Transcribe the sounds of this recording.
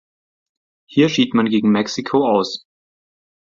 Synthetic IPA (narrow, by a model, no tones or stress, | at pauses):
hiːɐʃiːtmanɡeːɡŋ̩mɛksikʰoaʊs